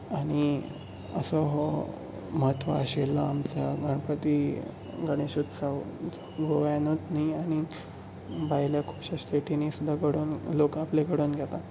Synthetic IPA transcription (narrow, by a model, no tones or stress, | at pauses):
aɽ̃i | ə̰səɦɔ | məɦət̪ʋa̰əɕelːaamt͡ɕjaɡʱəɳpət̪i | ɡəɽ̃eɕut̪saw | ɡʱoʋanot̪niaɽ̃i | bajljakʰupɕast̪eʈinisud̪ʱːaɡəɽuːnlokapleɡʱəɽuːnɡʱjɛt̪a